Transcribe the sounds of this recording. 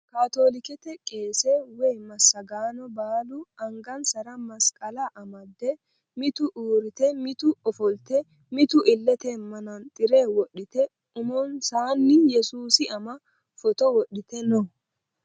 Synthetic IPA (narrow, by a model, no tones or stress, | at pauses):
kaːt̪o̞ːlɪkɛt̪ɛkʼe̞ːsɛwɛjmɐsːɐɡaːnɔbaːlʊɐŋɡɐnsɐɾɐmɐskʼɐlɐʔɐmɐd̪ːɛ | mɪt̪ʊʔuːɾɪt̪ɛmɪt̪ʊɔfɔlt̪ɛ | mɪt̪ʊʔɪlːɛt̪ɛmɐnɐnt̪ʼɪɾeːwɔɗːɪt̪ɛ | ʊmɔnsaːnːɪjɛsuːsɪɐmɐ | fɔt̪ɔwɔɗːɪt̪ɛnɔ